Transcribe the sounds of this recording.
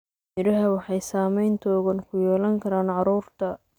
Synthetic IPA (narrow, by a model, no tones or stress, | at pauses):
mɪɾɐɦɐwɑħɑjsaːmɛjnt̪ʰɔːɣɐnkʰʊjɛːlɐŋkʰɐɾaːnʕɑɾuːrt̪ʰɐ